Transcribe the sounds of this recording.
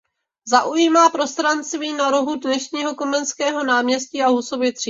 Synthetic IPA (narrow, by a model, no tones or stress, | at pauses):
zaʔujimaːpɾo̞st̪ɾanst̪viːnaɾoɦudnɛʃɲiːɦo̞ko̞mɛnskɛːɦo̞naːmɲɛsciaɦuso̞vɪt̪r̥i